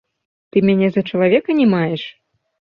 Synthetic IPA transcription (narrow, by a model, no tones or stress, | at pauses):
t̪ɨmʲanʲɛzɐt͡ʂɐlˠavʲɛkɐnʲɛmajɛʂ